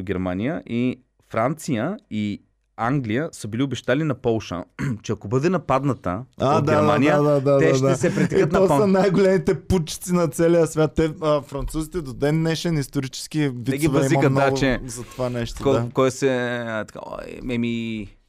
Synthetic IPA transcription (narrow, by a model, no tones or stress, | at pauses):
ɡʲɛɾmanijəʔi | fɾant̪sijəi | aŋɡlijəsəbiliʊbɛʃt̪alinɐpɔlˠʃə̰t͡ʃɛɐkobɤd̪ɛnɐpad̪nɐt̪ə̰ad̪aɛɾmanijəd̪ad̪ad̪ɛaʃd̪aɛsɛtpɾɛt̪ɛikət̪nɐɔənajɡolɛmit̪ɛput͡ʃi̥t̪sinɐt̪sɛlʲijəsvʲjat̪ːɛəfɾɐnt̪suzit̪ɛd̪od̪ɛnːɛʃɛnist̪oɾit͡ʃɛ̥skiviɛiʊvɛiimɐmkənaɡʊt͡ʃɛzɐt̪ovanɛʃt̪okd̪akɔjsɛt̪ɐ̥ka̰o̰jmɛmi